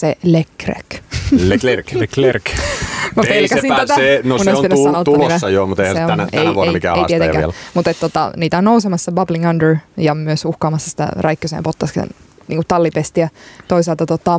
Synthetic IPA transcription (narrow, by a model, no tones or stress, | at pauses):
selekrḛk | rlrkmɑppelkæsint̪æt̪æenoneoensɑnot̪ulnæsɑjomut̪eihænseonæeiuoenimitkæḛiet̪ẽkæ̰lmut̪et̪t̪ot̪ɑ̰niːt̪æonnousemɑsːɑbɑbliŋɑndəɹjɑmyøsuhkɑːmɑsːɑ̥si̥t̪æ̰rɑikːøsḛːmpot̪ːɑskḛn | nʔḭːŋkut̪t̪ɑlːipest̪iæt̪oisɑlt̪ɑt̪ot̪ːɑː